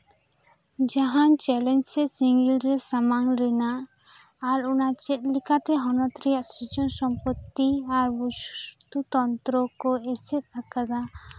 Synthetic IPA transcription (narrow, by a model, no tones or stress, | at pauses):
d͡ʒaɦant͡ʃɛlɛnd͡ʒsɛsiŋɡilɾɛsamaŋɾɛnaː | ɾunat͡ʃɛt̪̚likat̪ɛɦɔnɔt̪ɾijasɾid͡ʒɔnsɔmpɔt̪ːiaɾbust̪ut̪ɔnt̪ɾɔkɔɛsɛt̪̚akad̪a